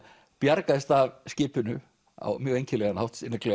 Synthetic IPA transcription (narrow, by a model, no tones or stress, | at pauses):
pjaɾkaðɪst̪avscɪːpʏnʏ | a̰wmjœːɣejɲcɪlɛɣanhawht̪sɪnːɛklœ